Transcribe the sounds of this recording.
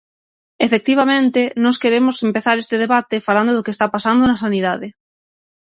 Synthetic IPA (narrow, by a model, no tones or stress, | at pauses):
efek̚t̪iβamẽnt̪enɔskeɾemosempeθaɾest̪eð̞eβat̪efaland̪oðokest̪apasand̪onasaniðaðe